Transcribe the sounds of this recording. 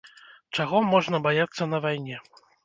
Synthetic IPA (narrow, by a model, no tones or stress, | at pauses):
t͡ʂaɣɔmɔʐnɐbajat̪sːɐn̪ɐvajnʲɛ